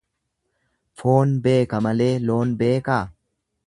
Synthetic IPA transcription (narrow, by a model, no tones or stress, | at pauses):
foːnbe̞ːkɐmɐle̞ːlo̞ːnbe̞ːkaː